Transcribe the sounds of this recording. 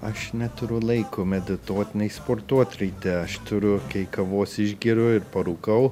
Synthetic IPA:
ɐʃnʲɛt̪ʊɾʲʊlˠɐɪkʊmʲɛd̪ʲɪt̪oːt̪ʲɪnʲɛɪspoːɾt̪uɔt̪ʲɾʲɐɪt̪ʲɛɐʃt̪ʊɾʲʊkɐɪkɐʋoːsɪʒʲɡʲiːɾʲʊɪɾpɐɾuːkɐʊ

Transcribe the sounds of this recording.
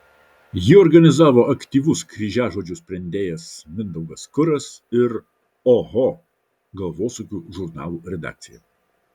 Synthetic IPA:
jɪɔɾɡɐnʲɪzɑːʋoːʔɐkt̪ʲiːʋʊskɾʲiːʒʲæːʒoːd͡ʒʲʊsʲpʲɾʲɛnʲd̪ʲeːjɛsmʲɪnd̪ɐʊɡɐskʊɾɐsɪɾ | ɔɣo | ɡɐlˠʋoːsuːkʲuːʒʊɾnɑ̰ːlˠuːɾʲɛd̪ɑ̰ːk̚t̪sʲɪjɛ̰

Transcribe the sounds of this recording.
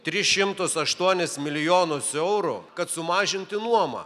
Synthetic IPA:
t̪ʲɾʲɪʃʲɪmt̪ʊsɐʃt̪uɔnʲɪsmʲɪlʲɪjoːnʊsɛʊɾʊkɐt̪sʊmɑːʒʲɪnʲt̪ʲɪnuɔmɐ̰

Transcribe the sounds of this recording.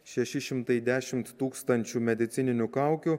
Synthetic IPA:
ʃʲɛʃʲɪʃʲɪmt̪ɐɪd̪ʲæːʃʲɪmt̪ːuːkst̪ɐnʲt͡ʃʲuːmʲɛd̪ʲɪt̪sʲɪnʲɪnʲʊkɑˑʊkʲu

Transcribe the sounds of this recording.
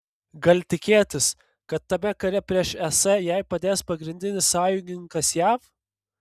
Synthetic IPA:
ɡɐlʲt̪ʲɪkʲeːt̪ʲɪs | kɐt̪ːɐmʲɛkɐɾʲɛpʲɾʲiɛʃɛsɐjɛɪpɐd̪ʲeːspɐɡɾʲɪnʲd̪ʲɪnʲɪssɑːjʊŋʲɡʲɪŋkɐsjæːf

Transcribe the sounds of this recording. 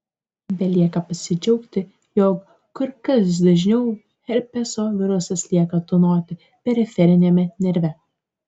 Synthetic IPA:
bʲɛlʲiɛkɐpɐsʲɪd͡ʒʲɛʊkt̪ʲɪ | joːkː | ʊɾkɐsd̪ɐʒʲnʲɛʊ | xʲɛɾʲpʲɛsoːʋʲɪɾʊsʲɐslʲiɛkɐt̪ʊnoːt̪ʲɪ | pʲɛɾʲɪfʲɛɾʲɪnʲɛmʲɛnʲɛɾʲʋʲɛ

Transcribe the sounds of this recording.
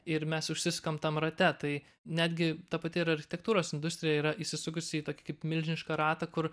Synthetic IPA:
ɪɾmʲɛsʊʃʲsʲɪsɐ̥komt̪ɐmrɐt̪ʲɛt̪ɐɪ | nʲæːd̪ʲɡʲɪt̪ɐpɐt̪ʲɪɪɾɐrʲxʲɪ̥t̪ʲɛk̚t̪uːɾoːsɪnd̪ʊst̪ʲɾʲɪjɛiːɾɐʔiːʃʲsʲɪsʊk̬ʊsʲɪit̪oːkʲɪ̥kɐɪpmʲɪlʲʒʲnʲɪʃkɐɾɑːt̪ɐkʊɾ

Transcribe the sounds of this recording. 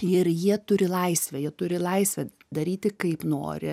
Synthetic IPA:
ɪɾjiɛt̪ʊɾʲɪlˠɐɪsʲʋʲɛjiɛt̪ʊɾʲɪlˠɐɪsʲʋʲɛ | d̪ɐɾʲiːt̪ʲɪkɐɪpno̰ːɾʲɪ̰

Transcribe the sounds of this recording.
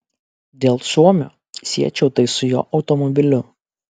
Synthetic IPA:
d̪ʲeːlˠsuɔmʲo̰ː | sʲiɛt͡ʃʲɛʊt̪ɐɪsʊjo̰ːʔɒʊt̪ɔmɔbʲɪlʲʊ

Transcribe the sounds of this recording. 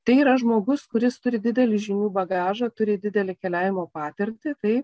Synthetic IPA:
t̪ɐɪiːɾɐʒmoːɡʊskʊɾʲɪst̪ʊɾʲɪd̪ʲɪd̪ʲɛlʲɪʒʲɪnʲuːbɐɡɑːʒɐt̪ʊɾʲɪd̪ʲɪd̪ʲɛlʲɪkʲɛlʲæːʋʲɪmoːpɑːt̪ʲɪɾʲt̪ʲɪt̪ɐɪ

